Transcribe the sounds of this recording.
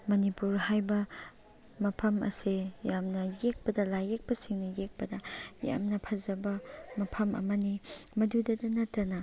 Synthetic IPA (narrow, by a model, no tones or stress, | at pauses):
mɐnipuɾhajbɐ | mɐpʰɐmɐ̰sijamnɐjek̚pɐdɐlajek̚pɐsiŋnɐjek̚pɐdɐja̰mnɐpʰɐzɐbɐmɐpʰɐmɐ̰mɐnimɐdudɐdɐnɐtːɐnɐ